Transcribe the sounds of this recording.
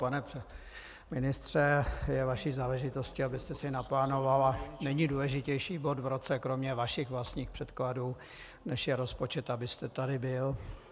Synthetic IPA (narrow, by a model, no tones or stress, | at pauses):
panɛp | mɪnɪst̪r̝̥ɛjɛvaʃiːzaːlɛʒɪt̪o̞scɪabɪst̪ɛsɪnaplaːno̞valanɛɲiːduːlɛʒɪcɛjʃiːbo̞d̪vɾot͡sɛkɾo̞mɲɛvaʃɪxvlast̪ɲiːxpr̝̥ɛt̪kladuː | nɛʃjɛɾo̞spo̞t͡ʃɛt̪abɪst̪ɛt̪adɪbɪl